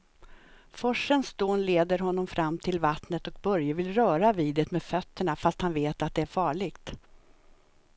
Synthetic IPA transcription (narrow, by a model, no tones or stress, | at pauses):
fɔʂənsd̪oːnleːd̪əɾɦɔnːɔmfɾʔamːt̪ʰɪlvat̪nət̪ɔk̚bœɾjəvɪlɾœːɾaviːd̪ət̪meːd̪fœt̪ːəɳafast̪hanveːt̪at̪̚d̪ɛæɾfɑːɭɪɡt̪